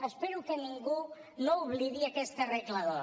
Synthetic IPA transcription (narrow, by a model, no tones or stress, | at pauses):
espeɾukeniŋɡu | nouβliðiakest̪ereklað̞o